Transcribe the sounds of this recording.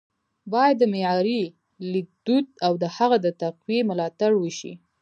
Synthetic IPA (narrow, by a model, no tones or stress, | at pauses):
bɑjad̪ːəmejɑɾi | lik̚d̪ut̪̚awd̪əhaɣad̪ət̪aqwemʊlɑt̪aɽwəʃḭ